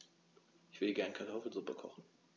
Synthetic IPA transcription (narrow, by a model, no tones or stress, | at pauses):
ʔɪçv̥ɪɐdəɡɛɐnkʰaɐtʰɔfl̩zʊpəkʰɔ̰χn̩